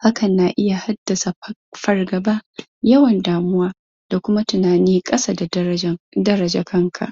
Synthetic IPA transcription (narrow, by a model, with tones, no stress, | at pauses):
ha˦kʰɐ˨nːaː˨ʔɪ˦ja˨ha˦d̥ːɐ˨sa˨ | ɸɐ˨rɡɐ˨baː˦ | jɐ˦wɐ˨ndaː˨mʊ˦waː˦ | d̥a˨kʷʊ˦ma˦tʊ˨naː˨niː˦kʼɐ˦sa˦˨da˨ | dɐ˦ɾɐ˨d͡ʒa˨kʰɐ˦ŋkʰa̰˨ʔ